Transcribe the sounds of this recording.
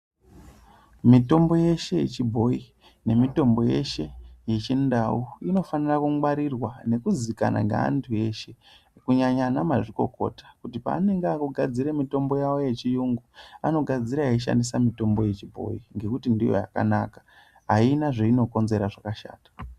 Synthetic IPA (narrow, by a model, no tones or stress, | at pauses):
mito̞mbo̞je̞ʃe̞jḛt͡ʃibʱo̞i | ne̞mito̞mbo̞je̞̰ʃe̞je̞t͡ʃindauino̞fanirakumwaɾirwane̞kuzika̰na̰ŋɡa̰a̰ntʰue̞ʃe̞ | kuɲaɲanamaʐiko̞̰ko̞̰tḁkutipa̰ːne̞ŋɡakuɡʱad͡ziɾemito̞mbo̞jawo̞je̞t͡ʃijuŋɡuano̞ɡʱad͡ziɾaeiʃa̰ndisamito̞mbo̞je̞t͡ʃibʱo̞̰iŋɡe̞kutindijo̞̰ja̰ka̰nakḁ | ɦainaʐeino̞ko̞nze̞ɾaʐakaʃa̰ːtḁ